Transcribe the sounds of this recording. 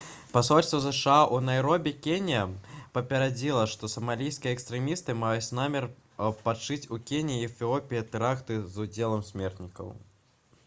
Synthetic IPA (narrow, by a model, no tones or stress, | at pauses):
pasɔlʲst̪vɐzɨʂɨaʔunajɾɔbʲɛkʲenʲijɐpɐpʲɐɾad͡zʲilˠɐʂt̪ɔsɐmalʲijskʲijɐɛkst̪ɾɛmʲist̪ɨmajut͡sʲnamʲɛr | pat͡ʂɨt͡sʲukʲenʲiːfʲiɔpʲiɐt̪ɛɾakt̪ɨzud͡zʲelˠɐmsʲmʲɛrt̪nʲikɐ̰w